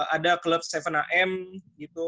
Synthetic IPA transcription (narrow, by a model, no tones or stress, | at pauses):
adakləp̚st̪efənaʔɛmɡit̪u